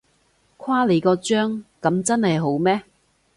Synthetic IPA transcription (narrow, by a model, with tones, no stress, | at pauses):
kʰwaː˥le˨˥jkɔː˧t͡ʃœː˥ŋkɐ˨˥mt͡sɐ˥nhɐ˨jɦo˨˥wmɛː˥